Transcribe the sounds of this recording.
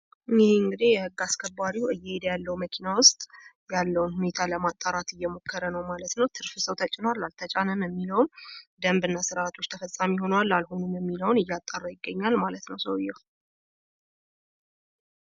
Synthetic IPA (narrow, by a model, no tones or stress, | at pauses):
nɪhɨŋɡɨd̪ijɛhɨɡːaskʰəbːaɾiɨjːɛed̪jalːəwməkʰinawʊst̪ʼ | jalːəwunhune̞t̪ʰaləmat̪ʼːaɾat̪ɨjːɛmo̞kʰːəɾənəwmalət̪nəwt̪ʰɨɾfɨsəwt̪ʰət͡ʃʼːɪnwalːalt̪ʰət͡ʃʼanəmjɛmːiləwnd̪əmbɨnːasɨɾaːt̪ʰo̞t͡ʃːt̪ʰəfəsʼamiho̞nwalːalhonumjɛmːiləwnɨjːat̪ʼːarːajɪɡːəɲːalmalət̪nəwsəwɨjːɛw